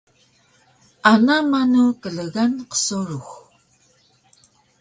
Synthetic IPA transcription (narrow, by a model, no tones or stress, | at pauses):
anamanukəɮəɣanqə̥soɾux